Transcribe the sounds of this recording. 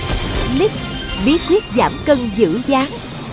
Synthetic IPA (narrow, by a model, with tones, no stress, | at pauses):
li˦˥k̚ | ɓi˨˦kwi˦˥t̚zaː˧˩mkə˧ŋzɨ̰˧˥zaː˨˦ŋ